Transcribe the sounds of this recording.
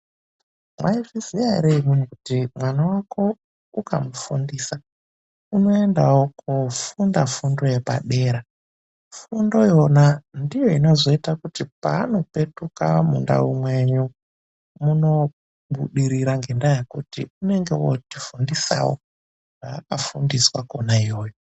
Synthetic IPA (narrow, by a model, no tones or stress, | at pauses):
mwʔaivizijaḭɾeimunukutimwanawakʰo̞ | uka̰mufundiːsa | uno̞e̞ndawokʰufundafundo̞je̞pa̰ɗe̞ːɾa | fundo̞jo̞nandijo̞ino̞zo̞itakutipa̰ːno̞pe̞tuka̰mṵnda̰umwe̞ɲu | muno̞ | ɓuɗiɾiɾaŋɡendajekutiune̞ŋɡe̞wo̰tifundisa̰wo̰ | aːkafundiswa̰konaijo̞ːjo